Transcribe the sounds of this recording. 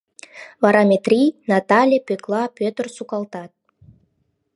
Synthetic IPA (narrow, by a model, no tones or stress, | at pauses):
vɑɾɑmʲet̪rʲijnɑt̪ɑlʲepʲøklˠɑpʲøt̪ə̆rsukɑlt̪ɑt̪̚